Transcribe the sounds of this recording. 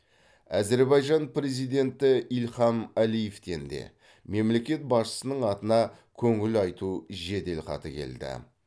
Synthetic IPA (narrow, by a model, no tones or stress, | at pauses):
æze̞ɾbɑjʒɑnpre̞zijd̪e̞nt̪ɪilχɑmælijeft̪e̞nd̪e̞̰ | me̞mle̞kʲe̞t̪̚bɑsʃə̥sənəɴɑt̪ənɑ | kʲʰɵŋɪlɑjt̪uʒe̞d̪e̞lqɑ̰t̪əkʲʰe̞̰ld̪ɪ̰